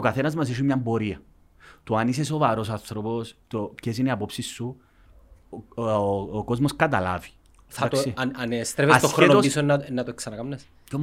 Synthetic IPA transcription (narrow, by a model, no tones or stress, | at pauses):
okɐθenɐzmɐs̬iʃ̬imɲɐmbo̞ɾiɐ | t̪uanis̬esovɐɾosanθɾopost̪oces̬iniɐpopsisːu | kozmoskɐt̪ɐla̰vi̥ | θɐat̪osianest̪ɾefeast̪ːoxɾoenot̪ospisonnːɐt̪oeksɐnɐkɐmnes | om